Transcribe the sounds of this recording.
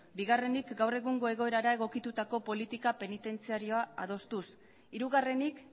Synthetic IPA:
biɣare̞nikɡawre̞ɣuŋɡo̞e̞ɣo̞e̞ɾaɾae̞ɣ̞o̞kit̪ut̪ako̞po̞lit̪ikape̞nit̪e̞nt͡siaɾio̞aað̞o̞st̪us | iɾuɣare̞nik

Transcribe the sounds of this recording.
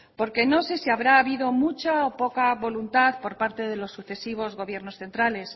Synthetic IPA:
po̞ɾke̞no̞se̞siaβɾaːβiðo̞mut͡ʃaopo̞kaβo̞lunt̪aðpo̞ɾpaɾt̪e̞ðe̞lo̞sːuθe̞siβ̞o̞zɣo̞βje̞ɾno̞sθe̞nt̪ɾale̞s

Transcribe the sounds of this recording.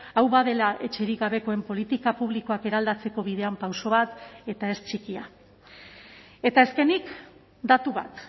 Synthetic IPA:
awβaðe̞laʔe̞t͡ʃe̞ɾiɣaβe̞ko̞e̞mpo̞lit̪ikapuβliko̞ake̞ɾald̪at͡se̞ko̞βið̞e̞ampawso̞βat̪e̞t̪ae̞st͡ʃikia | e̞t̪ae̞ske̞nik | d̪at̪uβ̞a̰t̪

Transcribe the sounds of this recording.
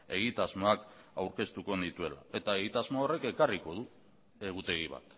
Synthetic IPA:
e̞̰ɣ̞it̪azmo̞akawɾke̞st̪uko̞nd̪it̪ue̞la̰e̞t̪aeɣit̪azmoore̞ke̞kariko̞ð̞u | e̞ɣ̞ut̪e̞ɣiβa̰t̪

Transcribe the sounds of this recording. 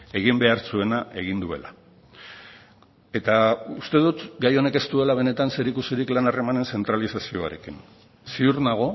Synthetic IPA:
e̞ɣ̞imbe̞aɾt͡sue̞naʔe̞ɣ̞ind̪ue̞̰la̰ | e̞t̪aust̪e̞ðut̪ɡajo̞ne̞ke̞st̪ue̞laβ̞e̞ne̞t̪anse̞ɾikusiɾiklanare̞mane̞nse̞nt̪ɾalisasio̞a̰ɾe̞kin | siuɾnaɣ̞o̞

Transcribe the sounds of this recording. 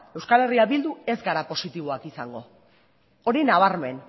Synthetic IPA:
e̞wskale̞riaβild̪ue̞zɡaɾapo̞sit̪iβ̞o̞akisaŋɡo̞ | oɾinaβ̞aɾme̞n

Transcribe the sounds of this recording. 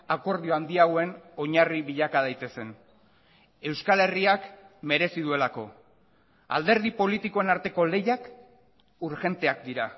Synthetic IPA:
ako̞ɾðio̞and̪iaɣoe̞no̞ɲariβiʎakað̞ajt̪e̞se̞n | e̞wskale̞riakme̞ɾe̞siðue̞lako̞̰ | a̰ld̪e̞ɾð̞ipo̞lit̪iko̞e̞naɾt̪e̞ko̞le̞jak | uɾʝe̞nt̪e̞akd̪iɾa

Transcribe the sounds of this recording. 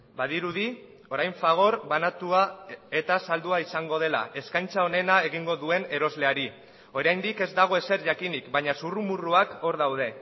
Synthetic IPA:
baðiɾuði | o̞ɾajɱfaɣ̞o̞ɾβanat̪uae̞t̪asald̪uaisaŋɡo̞ð̞e̞la̰ʔe̞skajnt͡sao̞ne̞nae̞ɣ̞iŋɡo̞ðue̞ne̞ɾo̞zle̞aɾi | o̞ɾajnd̪ike̞zd̪aɣ̞o̞e̞se̞ɾʝakinikbaɲasurumuruako̞ɾðawðe̞

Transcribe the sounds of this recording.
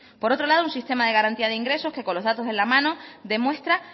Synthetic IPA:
po̞ɾo̞t̪ɾo̞lað̞ounsist̪e̞maðeɣaɾant̪iað̞eiŋɡɾe̞so̞hke̞ko̞lo̞ɦðat̪o̞se̞lamãnod̪e̞mwe̞st̪ɾa

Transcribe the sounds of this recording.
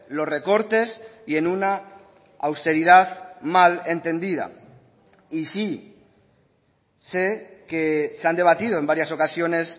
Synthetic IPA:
lo̞sre̞ko̞ɾt̪e̞sie̞nuna | awst̪e̞ɾið̞aðmale̞nt̪e̞nd̪iða̰ | isi | sekeseand̪e̞β̞at̪ið̞oembaɾjaso̞kasjo̞ne̞s

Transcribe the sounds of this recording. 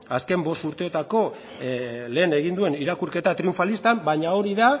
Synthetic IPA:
aske̞mbo̞st̪uɾt̪e̞o̞t̪ako̞ | le̞ːne̞ɣind̪ue̞niɾakuɾke̞t̪at̪ɾiuɱfalist̪ambaɲao̞ɾiða

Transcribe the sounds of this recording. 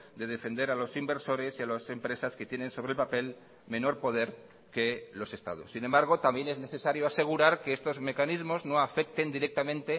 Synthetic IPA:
d̪e̞ð̞e̞fe̞nd̪e̞ɾalo̞simbe̞ɾso̞ɾe̞sialose̞mpɾe̞saske̞t̪jene̞nso̞βɾelpape̞l | mẽ̞no̞ɾpo̞ð̞e̞ɾ | ke̞lo̞se̞st̪a̰ðṵsːinembaɾɣ̞o̞t̪ambje̞ne̞zne̞θe̞saɾjoase̞ɣuɾaɾkeest̪o̞zme̞kanizmo̞zno̞afe̞k̚t̪e̞nd̪iɾe̞k̚t̪amẽnt̪e̞

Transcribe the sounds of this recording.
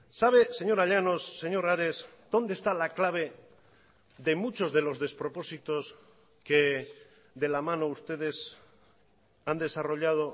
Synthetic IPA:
saβ̞e̞se̞ɲo̞ɾaʎano̞sːe̞ɲo̞ɾaɾe̞sd̪o̞nd̪est̪alaklaβ̞e̞ | ðe̞mut͡ʃo̞zðe̞lo̞zðe̞spɾo̞po̞sit̪o̞s | ke | ðe̞lamãnoust̪e̞ð̞e̞s | and̪e̞saro̞ʎað̞o̞

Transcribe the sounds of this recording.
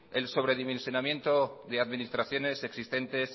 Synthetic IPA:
e̞lso̞βɾe̞ðimẽ̞nsjo̞namjẽ̞nt̪o̞ðeaðminist̪ɾaθjo̞ne̞se̞ksist̪e̞nt̪e̞s

